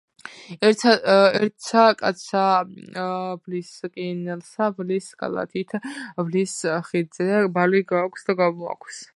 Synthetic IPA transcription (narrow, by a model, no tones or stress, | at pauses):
ɛɛɾt̪sʰakʼa̰t̪sʰa | bliskʼinɛlˠsablisɡʰa̰lˠa̰t̪ʰit̪ʰvlisχid̪zɛbaliɡaːkʷʰsd̪aɡamua̰kʷʰs